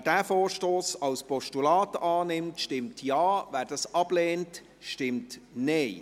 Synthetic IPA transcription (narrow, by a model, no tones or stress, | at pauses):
d̥æːfoːɾʃtoːsɑwspɔʃtulɑːtʔɑːnɪmtʃtɪmtʰjɑːvæːɾd̥ɑsɑb̥leːnt | ʃtɪmtneɪ